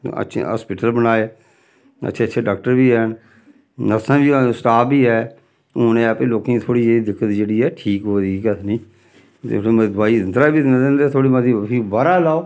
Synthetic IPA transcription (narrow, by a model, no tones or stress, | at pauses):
ə̰tːʃʰɦa̰ːspɪʈəlbənaːeː | ə̰tːʃʰeːtːʃʰeːɖaːk̚ʈəɾbiːɛːn | nəsãːbiːsʈaːpbiːɛː | ʊnẽːəpẽːloːkẽit̪ʰoːɽiːeːid̪ɪkʰːət̪d͡ʒeːɽiːɛːʈʰiːkoːd̪iːkət̪nĩː | t̪ḛmd̪ʊaːiːnd̪ɾaːbiːd̪nad̪ẽːnd̪eːt̪ʰoːɽiːmat̪ipʰiːbaɾaːlaːoː